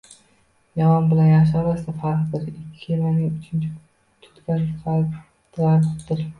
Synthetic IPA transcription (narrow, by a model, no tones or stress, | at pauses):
jamɒnbɪlanjaʃ̬amast̪afɑɾqd̪ɪɾɪkʲʰːɪelanɪŋʊt͡ʃʰɪnt͡ʃʰɪ | t̪ʰʊ̥t̪kʲanqʰɑ | t̪laɪpd̪ɪɾ